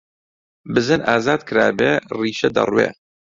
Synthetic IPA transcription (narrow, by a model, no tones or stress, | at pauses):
bɨzɨnʔaːzaːd̪kʰɨɾaːbeːriːʃɐd̪ɐ̰rwḛː